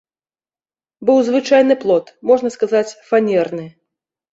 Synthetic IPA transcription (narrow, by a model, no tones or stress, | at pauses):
bɨwzvɨt͡ʂajnɨplˠɔt̪mɔʐnɐskazat͡sʲfanʲɛrnɨ